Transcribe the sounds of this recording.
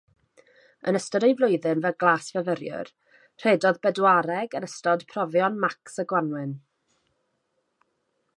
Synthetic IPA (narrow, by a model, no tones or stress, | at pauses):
ə̰nəstɔdejvlˠʊɨðɨnvɛɡlˠaːsvəvəɾjʊ̰r | r̥eːdɔðbɛdwaɾɛɡənəstɔd̥pʰrɔvjɔnmaksəɡwanwɪn